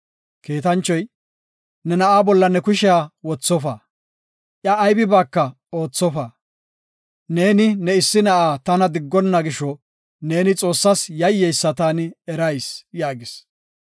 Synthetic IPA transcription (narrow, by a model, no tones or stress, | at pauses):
keːt̪ɐnt͡ʃːɔj | nɛnɐʔaːbɔlːɐnɛkʊʃɪaːwɔt͡sːɔfɐ | ʔjɐːjbɪbaːkːɐ | oːt͡sːɔfɐ | ne̞ːnɪnɛɪsːɪnɐʔaːt̪ɐnɐd̪ɪɡːɔnːɐɡɪʃɔ | ne̞ːnɪt͡sʼo̞ːsːɐsjɐjːɛjsːɐt̪aːnɪɛɾɐjsjaːɡɪs